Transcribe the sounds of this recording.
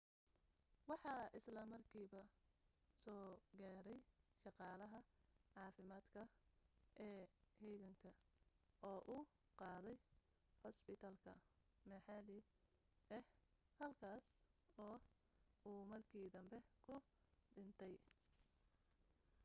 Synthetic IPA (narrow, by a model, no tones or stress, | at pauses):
wɑħɑːʔɪslɐmɐrkʰiːβɐ | sɔːɡaːɾɛjʃɑqɑːlɐɦɐʕɑːfɪmaːd̪kʰɐʔɛːhɛjɣɐŋkʰɐ | ʔɔːʔuː | qɑːðɛj | hɔspɪt̪ʰaːlkʰɐmɐħɑlɪ | ɛhhɐlkʰaːsɔː | uːmɐrkʰiːd̪ɐmbɛkʰʊ | ɖɪnt̪ʰɛj